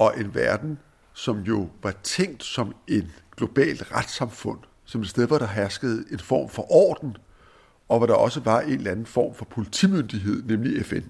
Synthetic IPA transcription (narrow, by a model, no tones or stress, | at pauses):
ʔɒ̽ʔe̝nʋæɐd̥n̩ | sɒ̽mjo̝ʋɑ̈t͡sʰeŋ̰d̥sɒ̽me̝d̥ɡ̥lo̝b̥ɛ̰ːld̥ʁad̥sɑ̈mfɔ̽n̰ | sɒ̽me̝d̥sd̥eðˠʋɒɾ̥ɑ̈ɦæɐsɡ̥əð̩ˠe̝nfɒ̰ːmfɒ̽ʔɒ̰ːd̥n̩ | ʔɒ̽ʋɑɾ̥ɑ̈ʔɒ̽səʋɑ̈ʔe̝nlænn̩fɒ̰ːmfɒ̽pʰo̝lit͡sʰḭmønd̥iɦe̝ð̞̰ˠnemliefen